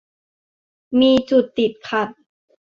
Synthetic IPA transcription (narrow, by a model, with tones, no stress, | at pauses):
miː˧t͡ɕu˨˩t̪ːi˨˩t̪̚kʰa˨˩t̪̚